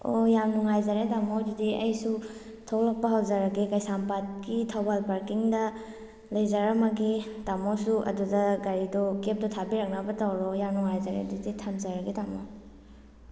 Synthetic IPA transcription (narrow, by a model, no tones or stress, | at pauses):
o̰jamnuŋajzaɾetamodudiɐjsu | tʰawlɐk̚pɐɦawzɐɾɐɡikɐjsampat̚kitʰawbalpaɾkiŋdɐ | lɐjzaɾamɐɡitamosuʔɐ̰dudɐɡaɾidɔkep̚dɔtʰabiɾɐk̚nɐbɐtawɾɔjamnuŋajzaɾḛdiditʰamzaɾɐɡitamo̰